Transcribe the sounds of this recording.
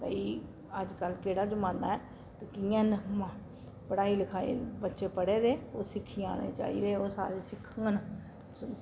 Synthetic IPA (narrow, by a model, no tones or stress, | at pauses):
pəiː | əd͡ʒkəlkeːɽaːd͡ʒʊmãːnd̪aːɛː | t̪ekɪjãːn | pəɽaːiːləkʰaːḛbətːʃeːpəɽeːd̪eːoːsɪkʰːijã̰ːnḛːt͡ʃa̰ːḭːd̪eːoːsa̰ːɾeːsɪkʰːəŋɡnə